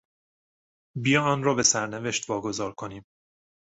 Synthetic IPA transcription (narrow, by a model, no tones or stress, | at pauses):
bijɒɒːnrɒːbe̞sæɾneve̞ʃt̪vɒːɡo̞zɒːɾkʰo̞niːm